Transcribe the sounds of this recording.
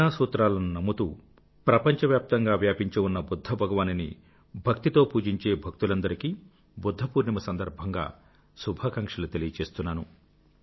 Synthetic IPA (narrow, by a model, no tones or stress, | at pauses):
aːsuːt̪ɾaːlɐnunɐmːut̪ṵː | pɾɐpɐɲt͡ʃɐʋjaːp̚t̪ɐŋɡaːʋjaːpiɲt͡ʃeunːɐbud̪ʱːɐbʱɐɡɐʋaːninḭ | bʱɐk̚t̪it̪o̞ːpuːd͡ʒiɲt͡ʃe̞ːbʱɐk̚t̪ulɐnd̪ɐɾiki | bud̪ʱːɐpuːɾnɐmɐsɐnd̪ɐɾbʱɐŋɡa̰ː | subʱaːkɐŋkʂɐlut̪elijɐt͡ʃe̞ːst̪unːaːnu